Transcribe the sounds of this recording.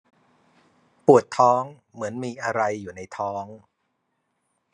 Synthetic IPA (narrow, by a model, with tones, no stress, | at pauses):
pu˨˩ət̪ʰːɔː˦˥ŋ | mɯ˩˦ənmiː˧ʔa˧ɾa˧jːuː˨˩na˧jt̪ʰɔː˦˥ŋ